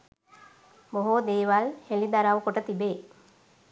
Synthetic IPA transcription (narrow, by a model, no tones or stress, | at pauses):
boɦud̪eːʋalhelid̪aɾaʋəkuʈət̪ibeː